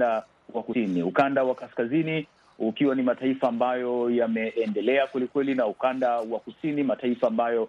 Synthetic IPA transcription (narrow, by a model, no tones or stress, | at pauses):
a | wakuiniukandawakaskazini | ukiwanimataifaːmbajɔjamɛːndɛlɛakwɛlikwɛlinaukandawakusinimataifaːmbajɔ